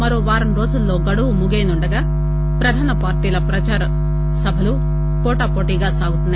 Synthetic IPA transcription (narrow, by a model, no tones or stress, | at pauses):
mɐɾoːʋaːɾɐmɾo̞ːd͡ʒulːo̞ːɡɐɽuʋumuɡeːnuɳɖɐɡaː | pɾɐd̪ʱaːnɐpaːɾʈiːlɐpɾɐt͡ʃaːɾɐ | sɐbʱɐlu | kɔːʈaːpoːʈiːɡaːsaːɡut̪unːɐ